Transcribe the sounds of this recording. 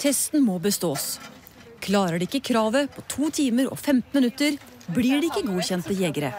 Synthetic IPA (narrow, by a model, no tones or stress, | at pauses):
t̪ʰɛst̪n̩moːbəst̪oːs | kʰlɑːɾəɖɛɪkːəkʰɾɑːʋəpʰɔt̪ʰuːt̪ʰiːməɾʔɔ̰ːfɛmt̪n̩mɪnʉt̪ːəɾ | bliɖɛɪkːəɡuːçɛnt̪əjɛɡəɾə̰